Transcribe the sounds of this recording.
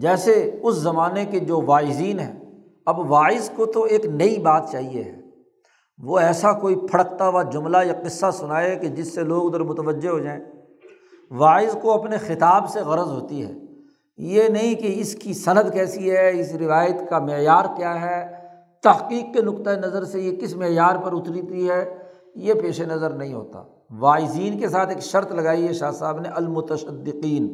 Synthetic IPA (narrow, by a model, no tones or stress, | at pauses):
d͡ʒɛːseʊszɐmaːneked͡ʒoːʋaːɪziːnɦɛ̰̃ː | ɐbʋaːɪzkot̪oeːknɐibaːt̪̚t͡ʃaːɦiḛɦɛː | ʋoɛːsakoːipʰɐɽəkt̪aʋad͡ʒʊmlajaqɪsːasʊnaːeked͡ʒɪsːeloːɡd̪əɾmʊt̪əʋəd͡ʒːeɦod͡ʒaːẽː | ʋaːɪzkoɐpnexɪt̪aːbseɣɐɾəzɦoːt̪iɦɛ̰ː | jenɐɦĩkeɪskisɐnəd̪kɛːsiɦɛɪsɾɪʋaːjət̪kamɪjaːɾkjaːɦɛː | t̪ɐɦqiːqkenʊkt̪aenɐzəɾsejekɪsmɪjaːɾpɐɾʊt̪ɾit̪iɦɛː | jepeːʃenɐzəɾnɐɦĩɦo̰ːt̪a̰ː | ʋaːɪziːnkes̬aːt̪ʰeːkʃɐɾt̪lɐɡaːiɦɛʃaːsaːbneɐlmʊt̪əʃəd̪ːɪqiːn